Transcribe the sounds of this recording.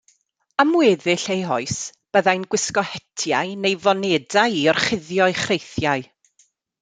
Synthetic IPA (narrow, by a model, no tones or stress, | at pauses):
amwɛðɪɬejɦɔɨsb̥əðajnɡwɪskɔhɛtʰjaɨnejvɔnɛdaɨiɔrχɪðjɔɨχrejθjaɨ